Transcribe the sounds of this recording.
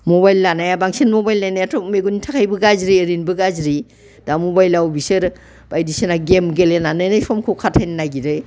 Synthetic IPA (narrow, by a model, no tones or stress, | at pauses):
mobajlːanajabaŋsinmobajlnajnajatʰɔkmeɡunitʰakʰajbɯɡazɾiəɾinbɯɡazɾi | d̥amobajlawbisɯɾ | b̥ajdisenaɡemɡelenanɯjnajsʰɔmkʰokʰatʰːajnnaɡiɾɯj